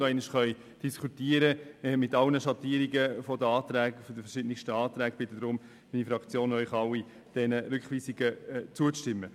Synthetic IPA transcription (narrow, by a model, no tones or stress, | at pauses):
ɛɪnɪʃχœʏ | d̥iskʰutiːəɾəmɪtɑlnəʃɑt̪iːəɾiɡəfɔd̪əɑːt̪ɾɛːɡfd̥əfɛʃɪdnɪʃtəɑːt̪ɾæːɡb̥ɪt̪ədɾʊm | minifɾɑkt͡sjoːnœʏχɑli | d̥ɛnəɾʉkχʋiːsiɡət͡suət͡stɪmːə